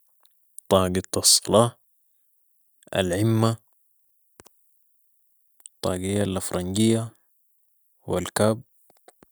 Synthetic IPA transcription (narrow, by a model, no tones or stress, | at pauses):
t̪ˤɑːɡit̪ːɑsˤːɑlɑː | a̰lʕimːa | t̪ˤːɑːɡijːalafɾˤɑŋɡijːa | wḭlkaːb̚